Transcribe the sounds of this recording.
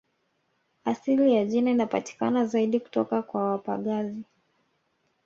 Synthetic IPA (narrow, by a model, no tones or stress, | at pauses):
asilijaʄinainapati̥ka̰nazaiɗiku̥tɔkakwawapa̰ɠazi